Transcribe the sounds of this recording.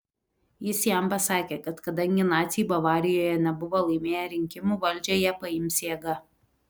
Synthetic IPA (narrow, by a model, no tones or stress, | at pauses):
jɪsjɛmpɐsɑːkʲeːkɐt̪kɐd̪ɐŋʲɡʲɪnɑːt̪sʲɪjbɐʋɑːɾʲɪjoːjɛnʲɛbʊʋoːlˠɐɪmʲeːjɛɾʲɪŋʲkʲɪmuːʋɐlʲˑd͡ʒʲoːjɛpɐɪmʲsjeːɡɐ